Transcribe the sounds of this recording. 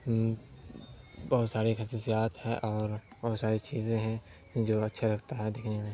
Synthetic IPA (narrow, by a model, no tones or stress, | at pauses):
bɔɦʊt̪saːɾixɐsiːsijaːt̪hɛʔɔːɾbɔːt̪saːɾit͡ʃiːzẽɦɛ̃ | d͡ʒoːɐtːʃʰeɾɐkʰt̪aɦɛd̪ekʰnemẽ